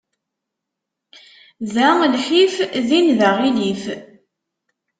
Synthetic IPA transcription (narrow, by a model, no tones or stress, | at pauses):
ðælħifðinðaʁilif